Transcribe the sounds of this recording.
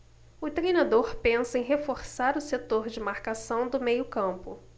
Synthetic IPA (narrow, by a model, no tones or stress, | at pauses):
ʊt̪ɾejnad̪oɾpẽsɐẽj̃ɦefoɾsaɾʊset̪oɾd͡ʒɪmaɾkasɐ̃w̃d̪ʊmejʊkɐ̃mpʊ